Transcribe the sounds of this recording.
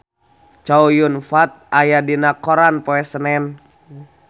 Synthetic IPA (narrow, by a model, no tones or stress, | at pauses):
t͡ʃaujunfat̪̚ajadinakoɾanpɔɛsənɛn